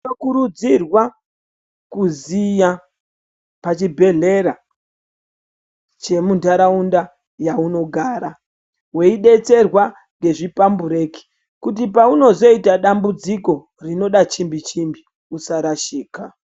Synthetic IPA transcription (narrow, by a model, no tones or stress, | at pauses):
okuɾud͡zirwa | kuzija | pat͡ʃibʱe̞ɮe̞ɾa | t͡ʃe̞muntaɾaunda | jauno̞ɡʱaːɾa | we̞iɗe̞t͡se̞rwa | ŋɡe̞ʐipambuɾe̞ːki̥ | kutip̬auno̞zo̞itaɗambud͡ziko̞ | rino̞ɗat͡ʃimbit͡ʃimbi | usaɾaʃiːka